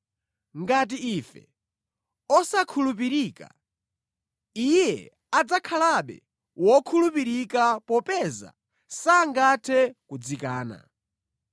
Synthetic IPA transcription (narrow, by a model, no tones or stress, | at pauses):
ŋɡat̬iifɛ̰ | ɔsakʰulup̬iɾiːka̰ | ijjɛ | ad͡zakʰalaɓɛ̰ | wɔkʰulupiɾikapɔpɛza̰ | saŋɡatʰɛkud͡zikaːna̰